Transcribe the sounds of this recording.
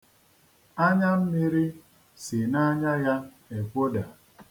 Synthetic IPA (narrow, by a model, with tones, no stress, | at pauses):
a˦ɲa˦m̩˦mi˦ɾi˦ | si˨na˦ɲa˦ja˦ | e˨kʷo˦da˨